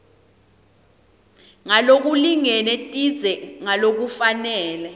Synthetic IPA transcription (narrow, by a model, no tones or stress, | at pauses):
ŋalok̬uliŋɛnɛtʼi̥d͡zʱɛŋalok̬ufanɛːlɛ